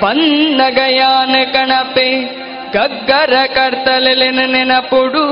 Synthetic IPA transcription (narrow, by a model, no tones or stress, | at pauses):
pɐnnɐɡɐjaːnɐkɐɳɐpe | ɡɐɡːɐɾɐkɐɾt̪ɐlelenɐnenɐpuɽu